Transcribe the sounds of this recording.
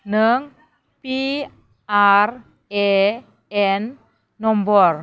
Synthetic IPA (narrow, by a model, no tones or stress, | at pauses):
nəŋ | pi | ʔar | e | ɛnː | ɔmbɔr